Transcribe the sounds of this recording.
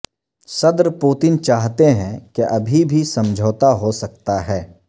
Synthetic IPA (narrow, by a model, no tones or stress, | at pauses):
sɐd̪ɾpuːt̪ɪnt͡ʃaːɦt̪eɦɛ̃keʔɐbʱibʱisɐ̃md͡ʒʱoːt̪aɦosɐk̚t̪aɦɛː